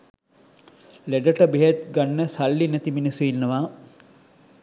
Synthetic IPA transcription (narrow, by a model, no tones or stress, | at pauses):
leɖəʈəbeɦet̪ɡanːəsalːinæt̪iminisuinːəʋaː